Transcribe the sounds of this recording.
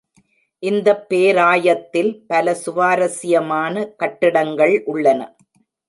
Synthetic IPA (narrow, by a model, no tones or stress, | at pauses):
ʔɪnd̪ɐpːeːɾaːjɐt̪ːɪlpɐlɐsʊʋaːɾɐsɪjɐmaːnɐkɐʈːɪɽɐŋɡɐɭʔʊɭːɐnɐ̰